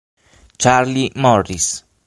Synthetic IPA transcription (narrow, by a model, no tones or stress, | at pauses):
t͡ʃaɾlimoɾɾis